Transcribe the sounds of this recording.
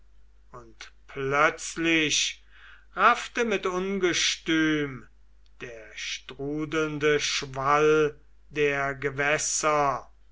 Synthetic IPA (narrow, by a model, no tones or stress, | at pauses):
ʊntpʰlœt͡slɪɕ | ʁaftəmɪtʊnɡəʃtyːm | d̥eːɐʃtʁuːdl̩ndəʃval | deːɐɡəvɛsɐ